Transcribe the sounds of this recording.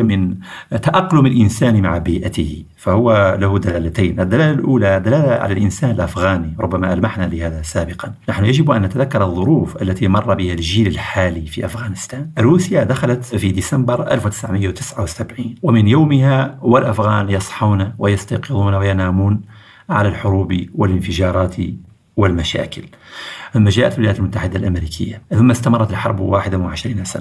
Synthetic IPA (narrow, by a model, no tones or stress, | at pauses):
mɪnt̪aʔɑqːlʊməlʔɪnsæːnmaʕbiːʔat̪əh | fæhʊwːalahʊd̪alælæt̪ajnʔəd̪ːælæːlalʔuːlad̪ːalæːlaʕa̰lælʔɪnsæːnəlʔafɣaːniɾˤʊbːæmaʔælmaħnalɪhæːd̪asabəqɑnnaħnʊjaʒɪbʔæ̰nːæt̪æd̪akːɑɾˤɑðˤːʊɾuːfʔælːæt̪imɑrˤːɑbəhælʒiːləlħaːlifḭʔafɣænəst̪æːnʔrːuːsəjad̪axalat̪fid̪isæmbəɾʔæ̰lfwt̪ə̥sʕməjːawt̪əsʕawsabʕiːnwəmɪnjawməhawalʔafɣænjɑsˤħuːnawʔajɑst̪ɑjqɨd̪ˤuːnwajanamuːn | ʕa̰lælħʊɾuːbiwələnfəʒɑɾˤɑːt̪ʰ | wəlmæʃæ̰ːkəl | ʔʊmːæʒæːʔflwjæːt̪əlmʊt̪ːaħɪd̪alʔæmɾikʰə̰jːaθʊmːast̪amɑrˤːɑt̪əlħɑ̰ɾˤbwaħɪd̪amnʕaʃɾiːnasa̰na